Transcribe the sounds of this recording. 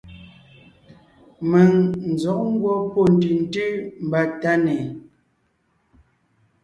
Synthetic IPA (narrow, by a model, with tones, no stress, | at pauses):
me˨ŋn̩˨zɔ˨˦ʔ̚ŋ̩˦ɡwɔ˦po˦˨n̩˨ti˨n̩˦tʉ˦m̩˨ba˦˨ta˦nɛ˨